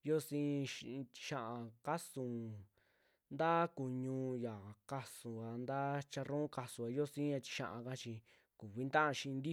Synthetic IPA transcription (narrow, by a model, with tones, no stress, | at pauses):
jo˦sĩː˧ʃt͡ʃi̥˧ʃã˧ʔã˧ka˦sũ˨ | nd̪a˦ku˨ɲũ˧ja˨ka˧sũ˨a˨˧nd̪a˦t͡ʃa˧ɾõ˦ka˧su˧a˨˧jo˦sĩ˦a˧t͡ʃi̥˧ʃã̰˧ʔã̰˧ka˦t͡ʃi˧ | ku˨βi˦nt̪ã˦ʔa˧ʃĩ˧nd̪i˦